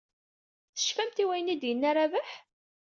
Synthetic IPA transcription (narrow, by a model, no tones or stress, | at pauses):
θə̥ʃfæmt̪iwæjənid̪jənːaɾavaħ